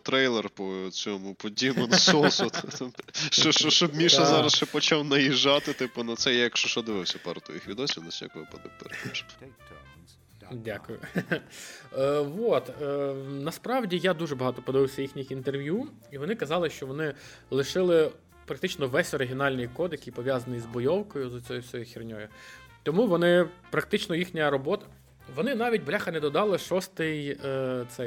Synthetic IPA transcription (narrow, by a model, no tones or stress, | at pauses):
t̪ɾɛjlˠɛrpɔt͡sʲɔmʊpɔdʲimɐnsɔsʊt̪ʃt͡ʃɔʃt͡ʃɔʃt͡ʃɔbmʲiʃɐzɑɾɐst͡ʃɛpɔt͡ʃɑwnɐjiʒːɑt̪ɪt̪ɪpʊnɐt̪sɛjajɐkʃt͡ʃɔʃɔd̪ɪʋɪwsʲɐpɛ̰ɾt̪ʊjixʋʲid̪ɔsʲinɐsʲnʲa̰kʊɔpɔd̪ṵkt̪ɛ̰ɾʃ | dʲakʊjʊ | ʋot̪ənɐspɾɑwdʲijad̪uʒɛbɐɦɑt̪ɔpɔd̪ɪʋɪwsʲɐjixnʲɪxint̪erʋʲju | iʋɔnɪkɐzɑlˠɪʃt͡ʃɔʋɔnɪ | lˠɪʃɪlˠɪ | pɾɐk̚t̪ɪt͡ʃnɔʋɛsʲɔɾɪɦʲiɔnɑlʲnɪjkɔd̪jɐkijpɔʋʲjazɐnɪjzbɔjɔwkɔjʊzɔt͡sʲɔjʊsʲɔjʊxʲirnʲɔjʊt̪ɔmuʋɔnɪpɾɐk̚t̪ɪt͡ʃnɔjixnʲɐɾɔbɔt̪ɐ̥ | ʋɔnɪnɑʋʲit̚ʲblʲaxɐnɛd̪ɔd̪ɑlˠɪʃɔst̪ɪjt̪sɛj